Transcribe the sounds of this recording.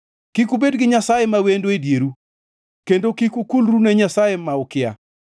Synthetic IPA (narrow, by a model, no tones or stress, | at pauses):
kikubedɡɪɲasajemawendoedjeɾu | kendokikukulɾunɛɲasajemaɔkɪja̰